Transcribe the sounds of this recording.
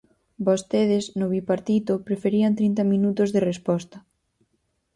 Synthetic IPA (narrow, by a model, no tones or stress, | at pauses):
bost̪eð̞ɪznoβipaɾt̪it̪opɾefeɾiɐnt̪ɾint̪ɐmĩnut̪ozðerespɔst̪ɐ